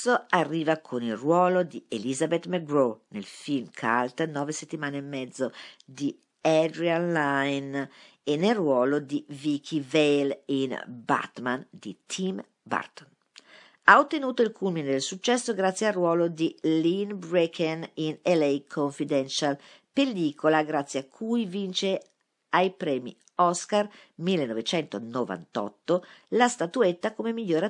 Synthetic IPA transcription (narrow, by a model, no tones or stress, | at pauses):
oarːiːvakʰonilrwɔːlod̪ielizabet̪meɡɾonḛlfilmkʰa̰lt̪nɔːveset̪ːimaːneemːɛd̪zːod̪i | ɛd̪ɾianlajn | enːelrwɔːlod̪ivikʰivelinba̰t̪mand̪it̪ʰim | ba̰rt̪o̥n | aot̪ːenuːt̪oilkʰulmined̪elsut͡ʃːɛsːoɡɾat̪sːjearːwɔːlod̪ilinbɾekʰeninelɛjkʰoɱfid̪ɛnʃalpeliːkʰolaɡɾat̪sːjeakʰːujvint͡ʃe | ajpɾɛːmḭ | ɔskar | milːenovet͡ʃɛnt̪onova̰nt̪ɔ̰t̪ːolast̪at̪uet̪ːakomemiʎːoːɾa